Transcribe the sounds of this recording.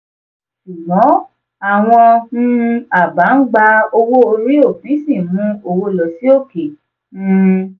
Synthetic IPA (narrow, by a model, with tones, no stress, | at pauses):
ʃu˨bɔ̃˨˦ | a˨w̃ɔ̃˧ñ̩˦˧a˨ba˨˦n̩˦ɡ͡ba˧o˧wo˦o˧ɾi˦o˦˨fĩ˨˦sĩ˦˨mũ˦o˧wo˦lɔ˨si˦o˦˨ke˨ | n̩˦˧